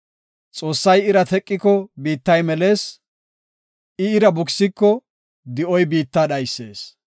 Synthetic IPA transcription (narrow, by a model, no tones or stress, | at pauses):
t͡sʼo̞ːsːɐjɪɾɐt̪ɛkʼːɪkːɔbiːt̪ːɐjmɛle̞ːs | ɪɪɾɐbʊksɪkːɔ | d̪ɪʔɔjbiːt̪ːaɗɐjsːe̞ːs